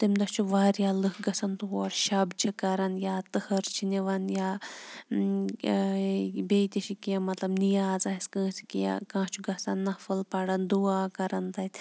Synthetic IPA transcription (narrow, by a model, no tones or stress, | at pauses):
t̪imʲd̪ɐst͡ʃʰuʋaːɾjaːlɨkɡɐsɐnt̪uɦoɽʃɐbt͡ʃʰikɐɾɐnjaːt̪ɨhɐɾt͡ʃʰiniʋɐnjaː | beːt̪ʲɐʃikiɐmɐt̪lɐbnijaːzaːiskɨ̃ːsi̥kia̰kãːt͡ʃʰuɡɐsɐnːɐfɐlpɐɽɐnd̪uaːkɐɾɐnt̪ɐt̪ʲ